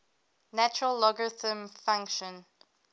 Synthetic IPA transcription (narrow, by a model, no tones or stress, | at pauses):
næt͡ʃəɹəlːɔɡɹɪθə̃mfãŋkʃə̃n